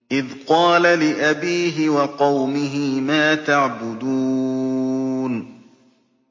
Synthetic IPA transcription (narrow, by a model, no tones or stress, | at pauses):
ʔɪðqɑːlalɪʔabiːɦɪwɑqɑwmɪɦɪmaːt̪aʕbʊd̪uː | n